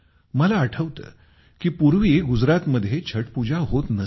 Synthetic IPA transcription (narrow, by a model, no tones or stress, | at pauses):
məlaːʈʰəʋt̪ə̰ː | kiːpuɾʋiɡud͡zɾat̪məd̪ʱːjet͡ɕʰəʈpud͡ʑʱaɦot̪nə